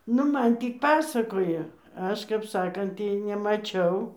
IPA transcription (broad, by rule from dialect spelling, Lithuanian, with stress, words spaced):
ˈnʊ ˈmɐn ˈtʲiː ˈpɑːsɐkoːjɛ ˈɐʃ kɐp ˈsɑːkɐnt ˈtʲiː nʲɛmɐˈt͡ʃʲɛʊ